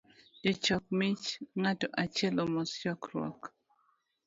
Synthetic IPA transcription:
d͡ʒɔt͡ʃɔk̚mit͡ʃŋatoʔat͡ʃɛlomɔst͡ʃɔkɾɔ̰k

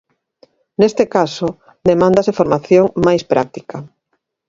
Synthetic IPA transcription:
nest̪ekaso | d̪emãnd̪asefoɾmaθjoŋmajspɾa̰k̚t̪ikɐ

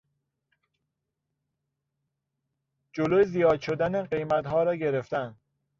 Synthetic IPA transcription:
d͡ʒolojezijɒːd̪ʃo̞d̪æneɢe̞jmæt̪ɦɒːɾɒːɟeɾe̞ft̪æn

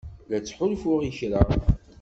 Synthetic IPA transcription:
læt͡sːħʊlfʊʁiçɾə

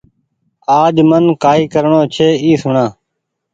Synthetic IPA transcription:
aːd͡ʒmənkaːiːkəɾɳoːt͡ʃʰeːiːsʊɳãː

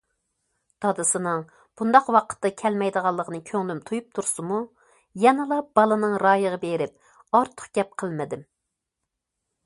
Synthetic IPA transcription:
d̪̥ɑd̪ɨsɨnɨŋ | b̥und̪ɑqwɑqʰə̥t̪ːɑkʲʰɛlmɛjd̪əʁɑlˠːəʁʰənɨkʲʰøŋlymt̪ʰojup̚t̪ʰuɾsɨmu | jɛnɨlˠɑb̥ɑlˠɨnɨŋɾɑːjəʁɑbeɾɪp̚ | ɑɾt̪ʰə̥qɡ̥ʲɛp̚qʰəlˠmɪd̪ɪm

